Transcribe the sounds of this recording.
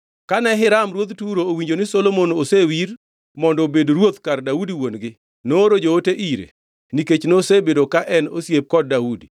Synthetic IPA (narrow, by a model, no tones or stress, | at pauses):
kanɛɦɪɾamɾwot̪tuɾoːwiɲd͡ʒonɪsolomonosewiɾ | mɔndɔbedoɾwot̪kardaudiwonɡɪ | noːɾod͡ʒooteʔiɾḛ | niket͡ʃnosebedokaʔɛnosjep̚kɔd̚ːaudḭ